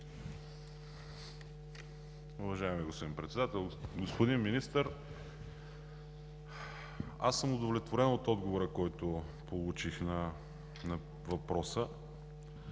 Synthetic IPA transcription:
ʊvɐʒaɛmiɡospod̪inpɾɛt̪sɛd̪at̪ɛlˠɡospod̪inminist̪əɾ | a̰sːəmʊd̪ovlɛt̪voɾɛnot̪ɔd̪ɡovoɾəkɔjt̪ʊ | polˠut͡ʃixnɐ | nɐ | vɐpɾɔsə

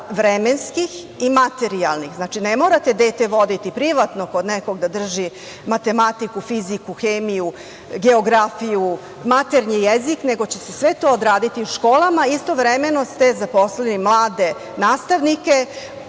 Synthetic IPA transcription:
ʋɾemenskix | imat̪eɾialnixznaːt͡ʃinemo̞ːɾat̪e̞d̪e̞ːt̪eʋo̞d̪it̪ipɾiʋat̪noko̞d̪nekoɡd̪ad̪r̩ʒi | mat̪e̞mat̪ikufizikuxeːmiju | ɡeoɡɾafiju | mat̪eɾɲijezikne̞ɡo̞t͡ɕese̞sʋe̞t̪o̞ːd̪ɾaːd̪it̪iuʃko̞ːlˠamaist̪o̞ʋɾemeno̞st̪e̞zapo̞slenimlˠaːd̪e̞ | naːst̪aʋnike̞

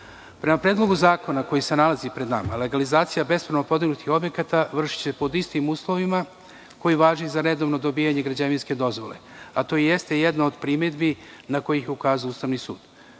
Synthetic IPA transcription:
pɾe̞mapɾeːd̪lˠo̞ɡuzaːko̞nako̞jise̞nalazipɾed̪nama̰le̞ɡalizaːt̪sijabe̞spɾanopo̞d̪iɡnut̪ixo̞bje̞kat̪aʋr̩ʃi̥t͡ɕe̞po̞d̪ist̪imuːslo̞ʋima | ko̞jiʋaːʒizaɾe̞d̪o̞ʋno̞d̪o̞biːjaɲe̞ɡɾad͡ʑaʋinske̞d̪o̞zʋo̞le̞̰at̪o̞ːije̞st̪e̞jed̪naod̪pɾimed̪binako̞jijeukaːzuuːst̪aʋnisṵːd̪̥

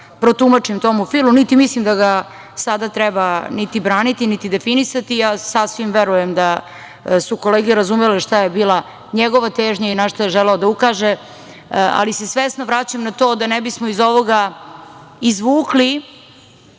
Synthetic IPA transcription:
pɾo̞t̪umat͡ʂimt̪o̞mufilˠmunit̪imislimd̪aɡa | sad̪at̪ɾɛbanit̪ibɾaːnit̪init̪id̪efinisat̪ijaːsasʋimʋeɾujemd̪a | suko̞leːɡeɾazumeleʂt̪ajebiːla | ɲeɡo̞ʋat̪eːʒɲainaʂt̪ojeʒeleod̪aukaːʒe | a̰lise̞sʋesnoʋɾat͡ɕamnat̪o̞ːd̪anebismoizo̞ʋo̞ɡa | izʋuːkli

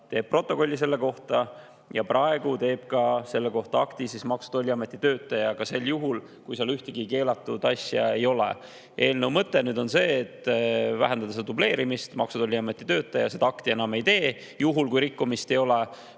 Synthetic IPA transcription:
t̪e̞ːb̥̚pro̞t̪ːˑo̞ko̞lʲːis̬e̞lːe̞ko̞ht̪ɑ | jɑ̰prʔɑe̞ɡ̥ut̪e̞ːb̥kɑse̞lːeko̞ht̪ɑɑkt̪isismɑksu̥d̪̥o̞lʲːiɑme̞t̪ːˑit̪ø̞ːt̪ːˑɑjɑkɑse̞lːjuɦul | kujsɑlyht̪eɡike̞ːlɑt̪ːˑud̪̥ɑsʲjɑ̰e̞jo̞lḛ | ʔe̞ːlnewmɤt̪ːˑe̞nyːd̪o̞nse̞ːt̪ːˑvæ̰ɦænd̪ɑd̪̥ɑseɑd̪uble̞ːɾimist̪mɑksud̪o̞lʲːiɑme̞t̪ːˑi̥t̪øːt̪ːˑɑjɑse̞d̪ɑɑkt̪ie̞nɑme̞jt̪e̞ː | juɦulkujɾikːumist̪e̞jo̞le

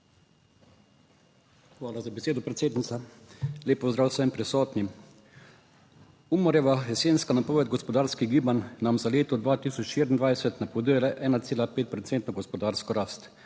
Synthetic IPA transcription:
xʋaːlazabɛseːd̪ɔpɾɛt̪seːd̪nit̪sa | lʲeːpɔzd̪ɾaːwsɛmpɾɛsɔːt̪nim | uːmɔɾjɛʋaɛseːnskanapɔːʋɛt̪̚ɡɔspɔd̪aːɾskiɡiːbannamzaleːt̪ɔd̪ʋaːt̪iːsɔt͡ʃʃeːɾʲind̪ʋajsɛt̪napɔd̪ilaʔɛːnat̪seːlapeːt̪̚pɾɔt̪seːnt̪nɔɡɔspɔd̪aːɾskɔɾaːst̪

